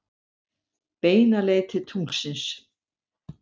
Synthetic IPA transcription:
peːjnalejt̪ʰɪlt̪ʰuŋksɪns

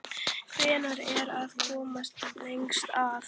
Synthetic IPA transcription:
kʰɾɪːnaɾɛɾaðkʰɔːmast̪ejŋkst̪aːv

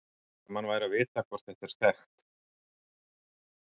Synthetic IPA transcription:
mhanvaːjɾavɪːt̪akʰvaɾ̥t̪θɛht̪ɛɾ̥sθɛxt̪

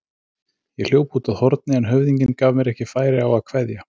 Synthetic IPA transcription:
jɛɣl̥joːwpuːt̪aðhɔɾt̪̚nɪɛnɦœɥvðiɲcɪnkaːvmɛɾɛhcɪfaːjɾɪawaðkʰvɛðja

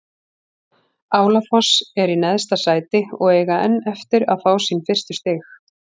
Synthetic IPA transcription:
aːwlafɔsɛɾinɛðst̪asaːjt̪ɪɔɣɛːjɣaɛnːɛft̪ɪɾa̰ðfaːwsinfɪr̥st̪ʏst̪ɪːx

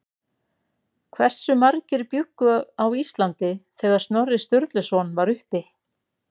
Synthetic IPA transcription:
kʰvɛr̥sʏmaɾcɪɾpjʏkːʏawist̪lant̪ɪθɛːɣaɾ̥st̪nɔrːɪst̪ʏɾt̪lʏsɔnvaɾʏhpɪ

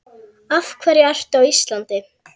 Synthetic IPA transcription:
afkʰvɛɾjɪar̥t̪awist̪lant̪ɪ

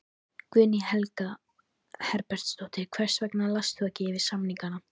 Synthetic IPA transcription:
kvʏːnihɛlka | hɛɾpɛɾ̥t̪st̪oht̪ɪkʰvɛr̥svɛknalast̪ʏacɪːvɪsamniŋkana

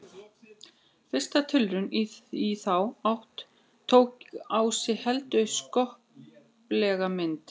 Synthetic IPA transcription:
fɪ̥st̪at̪ʰʏlɾʏniiθawawht̪ʰː | owkawsɪhɛlt̪ʏskɔhp | plɛɣamɪnt̪

